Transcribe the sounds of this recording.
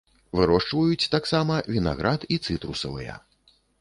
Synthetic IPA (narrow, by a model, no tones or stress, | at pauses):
vɨɾɔʂt͡ʂvɐjut͡sʲt̪aksamɐvʲina̰ɣɾʔat̪it̪sɨt̪ɾusɐvɨjɛ̰